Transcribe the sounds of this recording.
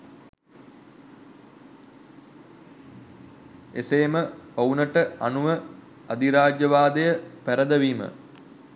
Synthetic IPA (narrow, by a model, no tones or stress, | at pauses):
eseːməpownəʈəanuʋə | ad̪iɾaːd͡ʒjəʋaːd̪əjəpæɾəd̪əʋiːmə̰